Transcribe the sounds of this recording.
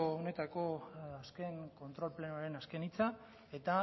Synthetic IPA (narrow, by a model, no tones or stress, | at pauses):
oone̞t̪ako̞aske̞ŋko̞nt̪ɾo̞lple̞noaɾe̞naske̞nit͡sa | e̞t̪a